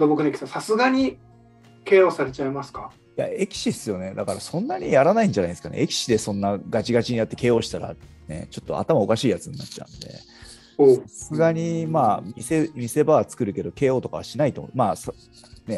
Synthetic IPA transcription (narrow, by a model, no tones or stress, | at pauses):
d̪obokɯnekʲi̥sãsasɨɡaɲ̟i | ke̞ːoːsaɾe̞t͡ɕaimasɨ̥kḁ | ja̰e̞kʲi̥ɕisɨjo̞ne̞d̪akaɾasõ̞nːaɲ̟ijaɾanaĩɲ̟d͡ʑanaid̪sɨ̥kanḛekʲi̥ɕid̪e̞sõ̞nːaɡat͡ɕiɡat͡ɕiɲ̟ijot̪ːe̞ke̞ːo̞ːɕi̥t̪aɾa̰ | ne̞̰t͡ɕo̞t̪ːo̞̰a̰t̪amao̞kaɕiːjat͡sɨɲ̟inatt͡ɕa̰ɯ̟̰̃nd̪e̞̰ | oaasɨɡaɲ̟imaːmʲise̞mʲise̞baβat͡sɨ̥kɯ̟ɾɯ̟ke̞d̪o̞ke̞ːo̞ːt̪o̞ka̰βa̰ɕinait̪omomaːs | ne̞